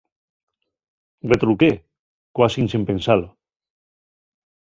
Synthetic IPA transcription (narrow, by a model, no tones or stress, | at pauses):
ret̪ɾuke | kwasinsimpẽnsalo